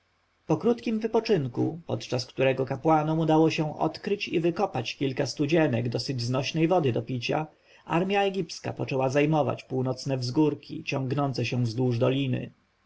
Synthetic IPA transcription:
pɔkɾut̪kʲimvɘpɔt͡ʂɘŋkupɔ̰t̪t͡ʂaskt̪uɾɛɡɔkapwanɔmud̪awɔɕɛ̃ʔɔ̰t̪kɾɘt͡ɕḭvɘkɔpat͡ɕkʲilkast̪ud͡ʑɛnɛɡd̪ɔsɘd͡ʑznɔɕnɛjvɔd̪ɘd̪ɔpʲit͡ɕa̰ | ʔa̰ɾmʲjaɛɡʲipska̰pɔt͡ʂɛwazajmɔva̰t͡ɕpuwnɔt̪snɛvzɡuɾkʲʰḭt͡ɕɔŋɡnɔnt̪sɛɕɛ̃zd̪wuʐd̪ɔlʲinɘ̰

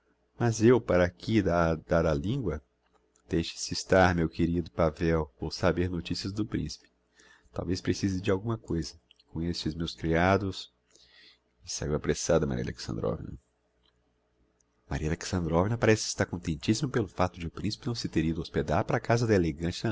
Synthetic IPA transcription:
mɐzewpaɾɐkʰid̪ad̪aɾalĩŋɡwɐ | d̪̥ejʃɪ̥sɪst̪aɾmewkeɾid̪ʊpavɛwowsabeɾnot͡ʃisijɐzd̪ʊpɾḭ̃si̥pɪ̥ | t̪a̰wvespɾesizɪd͡ʒɪawɡũmɐkojzɐ | kõest͡ʃɪzmewskɾiad̪ʊs | ɪsa̰iwapɾesad̪ɐma̰ɾḭɐ̰lḛksɐ̰̃d̪ɾɔ̰vḭnɐ̰ | ma̰ɾiɐleksɐ̃nd̪ɾɔvinɐpaɾɛsɪ̥kɪst̪aɾkõt̪ẽnt͡ʃisimʊpelʊfat̪ʊd͡ʒɪʊpɾĩsi̥pɪnɐ̃w̃sɪt̪eɾid̪ʊosped̪aɾpaɾakazɐd̪ɐeleɡɐ̃t͡ʃɪ

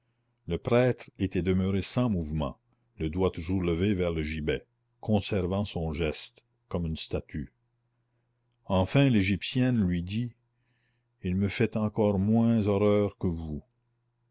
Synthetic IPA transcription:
ləpɾɛːt̪ʁet̪ɛd̪əmøʁesɑ̃muvmɑ̰̃ | ləd̪wat̪uʒuːʁləvevɛʁləʒibɛ | kʰɔ̃sɛʁvɑ̃sɔ̃ʒɛst̪ | kɔmynst̪at̪ʰy | ɑ̃fɛ̃leʒipsjɛnlɥid̪i | ilməfɛt̪ɑ̃kɔːʁmwɛ̃zɔʁœːʁkəvu

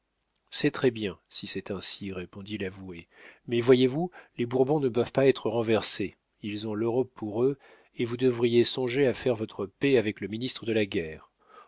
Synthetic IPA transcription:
sɛt̪χɛbjɛ̃sisɛt̪ɛ̃siʁepɔ̃d̪ilavuemɛvwajevulebuʁbɔ̃nəpœvpaɛt̪χəʁɑ̃vɛʁse | ilzɔ̃løʁɔpːuʁø | evud̪əvʁijesɔ̃ʒeafɛʁvɔt̪χəpeavɛkləminist̪χəd̪əlaɡʲɛːʁ

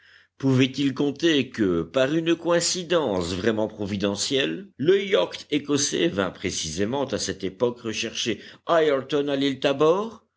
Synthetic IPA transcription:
puvɛt̪ilkɔ̃t̪ekəpaʁynkɔɛ̃sid̪ɑ̃svʁɛmɑ̃pχɔvid̪ɑ̃sjɛlːəjɔkt̪ekɔsḛvɛ̰̃pχesizemɑ̃t̪asɛt̪epɔkʁəʃɛʁʃeajɛʁt̪ɔnalilt̪abɔʁ

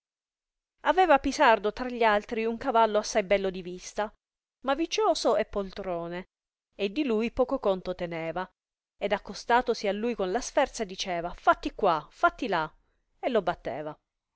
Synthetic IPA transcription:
avɛːvapisard̪ot̪ɾaʎːalt̪ɾiuŋkavalːoasːajbɛlːod̪ivist̪a | mavit͡ʃoːsoepːolt̪ɾɔːne | ed̪ːilujpɔːkokont̪ot̪enɛːva | ed̪akːost̪aːt̪osialːujkonlasfɛrt̪saed̪it͡ʃɛːvafat̪ːikːwafat̪ːila | elːobat̪ːḛːva

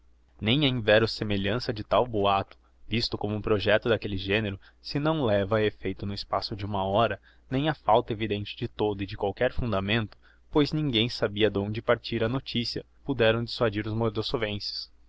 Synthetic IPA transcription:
nẽj̃ɐĩvɛɾʊsemeʎɐ̃sɐd͡ʒɪt̪awboat̪ʊ̥ | vist̪ʊkõmʊũpɾoʒɛt̪ʊd̪ɐkelɪʒẽneɾʊ | sɪnɐ̃w̃lɛvɐefejt̪ʊnʊɪspasʊd͡ʒɪũmɐɔɾɐ | nẽj̃ɐfawt̪ɐevid̪ẽnt͡ʃɪ̥d͡ʒɪt̪od̪ʊɪd͡ʒɪkwawkɛɾfũnd̪ɐmẽnt̪ʊ̥ | pojznĩŋɡẽj̃sabiɐd̪õñd͡ʒɪpaɾt͡ʃiɾɐnot͡ʃisiɐ | pud̪ɛɾɐ̃w̃d͡ʒɪswad͡ʒiɾʊzmoɾd̪osovẽsɪ̥s

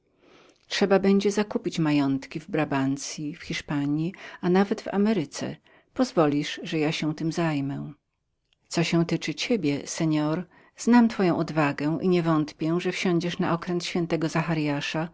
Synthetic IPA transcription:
ʂɛbabɛɲd͡ʑɛzakupʲit͡ɕmajɔnt̪kʲivbɾabant̪sʲjifxʲiʂpaɲianavɛd̪va̰mɛɾɘt̪sɛ̰ | pɔzvɔlʲiʂʐɛjaɕɛw̃t̪ɘmzajmɛ | t̪sɔɕɛ̃w̃t̪ɘt͡ʂɘt͡ɕɛbʲjɛsɛɲɔɾ | z̥namt̪fɔjɔ̃w̃ʔɔd̪vaɡɛʔiɲɛvɔnt̪pʲjɛʐɛfɕɔ̃ɲd͡ʑɛʂna̰ʔɔkɾɛnt̪ɕfʲjɛnt̪ɛɡɔzaxaɾjaʂa

